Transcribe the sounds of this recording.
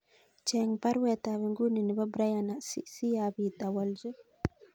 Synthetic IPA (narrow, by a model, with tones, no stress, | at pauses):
t͡ʃɛŋpa˦ɾwɛ˨t̪a˨βɛ˨ŋɡu˦ni˨ni˨ba˦bɾa˦jana˨sisi˦jabi˨t̪a˨walzu˦